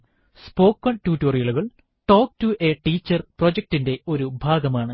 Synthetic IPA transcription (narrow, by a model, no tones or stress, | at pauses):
spo̞ːkːɐɳɖtuːtːoːrijɐɭuɣɐɭ | ʈo̞ːk̚tuʔeʈiːt͡ɕːɐrprod͡ʑɐk̚tinde̞o̞ɾubʱaːɡɐmaːɳɨ